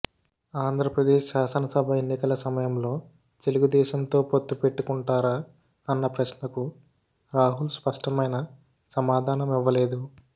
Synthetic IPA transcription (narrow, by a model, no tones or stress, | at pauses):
aːnd̪ʱɾɐpɾɐd̪eːʃʃaːsɐnɐsɐbʱɐenːikɐlɐsɐmɐjɐmlo̞ː | t̪e̞luɡud̪ɛːʃɐmt̪o̞ːpo̞t̪ːupe̞ʈːukuɳʈaːɾa | ɐnːɐpɾɐsnɐku | ɾaːɦulspɐʂʈɐmɐjnɐ | sɐmaːd̪ʱaːnɐmiʋːɐle̞ːd̪u